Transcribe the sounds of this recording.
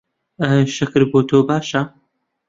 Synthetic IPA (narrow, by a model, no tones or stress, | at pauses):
əʃɪkɨɾboːt̪ʰoːbaːʃɐ